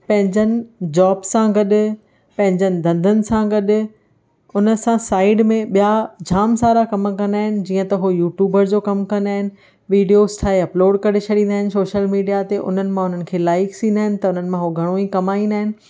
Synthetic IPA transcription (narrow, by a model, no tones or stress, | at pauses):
pɐ̃ɦɪ̃ɲd͡ʑənɪ̆d͡ʑaːbsãɡɐɗ | pɐ̃ɦɪ̃ɲd͡ʑənɪ̆d̪ɐ̃nd̪ʱənɪ̆sãɡɐɗʊ | ʊnə̆sãsaːɪɖmẽɓijad͡ʑʱaːmsaːɾakɐmkɐ̃nd̪aːɦɪnɪ̆d͡ʑiːə̃t̪ɐɦojuːʈjuːbəɾd͡ʑoːkɐmkɐ̃nd̪aːɦɪnɪ̆ | ʋiːɖijoːsʈʰaːeɐploːɖkɐɾet͡ɕʰɐɽĩːnd̪aːɦɪnɪ̆soːʃəlmiːɖijat̪eʔʊ̰n̤ənɪ̆mãʊn̤ənɪ̆kʰeːlaːɪksĩːnd̪aːɦɪnɪ̆t̪ɐʊn̤ənɪ̆mãɦoɡʱɐɽ̃oikɐmaːĩnd̪aːɦɪnɪ̆